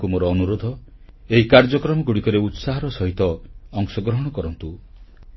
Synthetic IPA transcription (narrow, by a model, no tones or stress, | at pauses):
kumoɾɔːnuɾod̪ʱɔ | eɦikaɾd͡ʒɔkɾɔmɔɡuɽikɔɾeut̪saɦɔɾɔsɔɦit̪ɔɔŋsɔɡɾɔɦɔɽ̃ɔkɔɾɔnt̪u